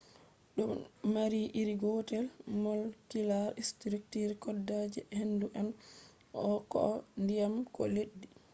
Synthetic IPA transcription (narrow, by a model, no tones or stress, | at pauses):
ɗɔmmaɾiʔiɾiɡɔtɛlmɔlkilaɾistɾiktiɾkɔdːad͡ʒɛhenduʔan | ɔkɔ̰ndijamkɔ̰leɗːi